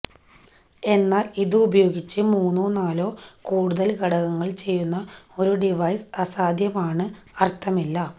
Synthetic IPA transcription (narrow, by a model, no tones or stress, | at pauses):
e̞nːaːliðɨubɐjo̞ːɡit͡ɕːɨmuːnːuːnaːlo̞ːkuːɽuðɐlkɐɽɐɣɐŋːɐɭt͡ɕe̞jːunːɐo̞ɾuɖiʋɐjsɐsaːd̪ʱjɐmaːɳɨ | ɐrt̪ʰɐmilːɐ